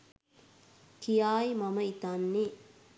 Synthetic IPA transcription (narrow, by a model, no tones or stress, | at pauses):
kijaːjmɐməit̪anːi